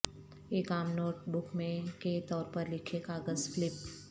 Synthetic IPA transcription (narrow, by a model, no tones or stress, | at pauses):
eːkaːmnoːʈbʊkmẽket̪ɔːɾpəɾlɪkʰekaːɡəzflɪp̚